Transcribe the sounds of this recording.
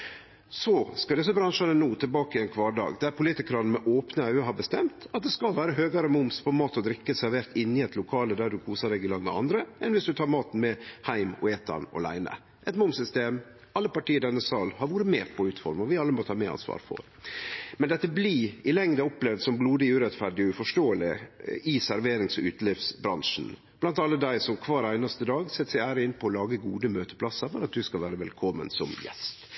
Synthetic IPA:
sɔskɑld̪ɛs̬ɔbɾɑnʂɑnənuːt̪ʰɪlbɑːkɪɛnkʰʋɑːɖɑ̰ːɡd̪ɛæɾpʰʊlɪt̪ɪkəɾɑnn̩mɛʔoːpnəæːøɦɑɾbəst̪ɛmt̪ɑt̪̚d̪ɛskɑlʋæːɾəɦøːɡɑɾəmʊmspʰɔmɑːt̪ɔd̪ɾɪkːəsæɾʋeːɾt̪ɪnːɪɛt̪lʊkʰɑːləd̪æɖʉkʰuːsəd̪ɛɡɪlɑŋʋə̰ʔɑ̰nd̪ɾəʔɛnʋɪsd̪ʉt̪ʰɑːɾmɑːt̪n̩mɛhæɪmɔ̰eːt̪ʰɑ̰nɔ̰læ̰ɪnə̰ | ʔɛt̪mʊmsʏst̪eːm | ɑlːəpɑʈiːəd̪ɛnːəsɑːlhɑɾʋuːɾəmeːɾpʰɔʉːt̪fɔɾməʋɪɑlːəmɔt̪ʰɑːmɛɑ̰nsʋɑ̰ːɾfɔ̰ɾmɛnd̪ɛt̪ːəbliːɪlɛŋd̪əɔpːlɛʋd̪sɔmbluːd̪ɪʉːɾɛt̪fæɖɪɔʉfɔʂʈoːəlɪɪsæɾʋeːɾɪŋsɔʉːt̪lɪfsbɾɑnʂn̩ | b̥lɑnt̪ɑlːəd̪æɪsɔmkʰʋɑːɾæɪnɑst̪əd̪ɑːɡsɛt̪ːsæɪæːɾəɪnːpʰɔɔlɑːɡəɡuːd̪əmøːt̪ə̥pʰlɑsːəfɔɾɑt̪̚d̪ʉskɑlʋæːɾəʋɛlkʰɔmːə̰nsɔmjɛ̰st̪

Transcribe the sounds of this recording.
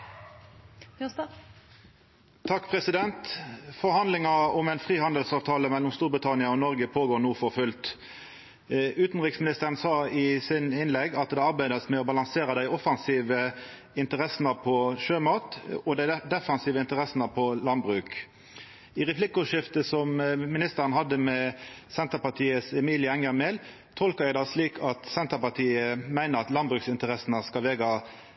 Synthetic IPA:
t̪ʰɑkːpʰʁɛsɪd̪ɛnt̪fɔʁhɑnd̪lɪŋɑɔmɛɪnfʁiːhɑnd̪əlsɑːʋt̪ʰɑːləmɛlːɔmst̪uːʁbʁɪt̪ʰɑnɪɑɔnɔʁɡəpʰoːɡoːʁnuːfɔʁfʉlt̪ | ʉːt̪n̩ʁɪksmɪnɪst̪əʁənsɑːɪsɪnɪnlɛɡɑt̪̚d̪ɛɑʁbæɪd̪əsmɛɔbɑlɑŋseːʁəd̪æɪɔfɑnsiːʋə | ɪnt̪əʁɛsnəpʰɔʃøːmɑːt̪ɔd̪æɪd̪ɛfɑnsiːʋəɪnt̪əʁɛsnəpʰɔlɑnd̪bʁʉːk | ɪʁɛpʰlɪkːʊʂɪft̪əsɔmmɪnɪst̪əʁənɦɑd̪ːəmɛsɛnt̪əpɑt̪ʰiːəsɛmiːlɪɛŋjɑmɛl | t̪ʰɔlkɑjæɪd̪ɑsliːkʰɑt̪sɛnt̪əpɑt̪ʰiːəmæɪnəɾɑt̪lɑnbʁʉːksɪnt̪əʁɛsnəskɑlʋeːɡɑ

